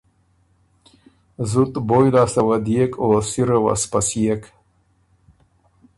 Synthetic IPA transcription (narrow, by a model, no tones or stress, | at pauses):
zut̪bojlasawad̪iekʰoːsiɾəwa̰spasiek